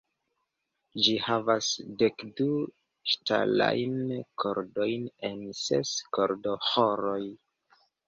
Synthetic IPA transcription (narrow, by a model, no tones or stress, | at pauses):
d͡ʒihavasde̞kdu | ʃta̰la̰jnkʰoɾdo̞jne̞nsḛskoɾdo̞hoɾoj